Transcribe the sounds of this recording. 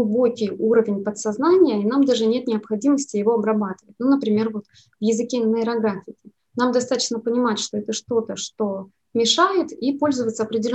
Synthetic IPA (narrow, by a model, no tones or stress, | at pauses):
bo̞kʲɪjuɾəvʲɪnʲpət̪sɐznanʲɪjəinamd̪aʐɨnʲe̞t̪̚nʲɪɐpxɐdʲiməsʲtʲɪjɪvo̞ɐbɾɐbat̪ɨvətʲnunəpɾʲɪmʲe̞rvo̞t̪ | vjɪzɨkʲenəɪɾɐɡɾafʲɪkʲɪ | namd̪ɐst̪at̪ə̥t͡ɕnəpənʲɪmatʲʂt̪o̞ɛt̪əʂt̪o̞t̪əʂt̪o̞ | mʲɪʂajɪt̪ipo̞lʲzəvət̪səɐpɾʲɪdʲɪlʲ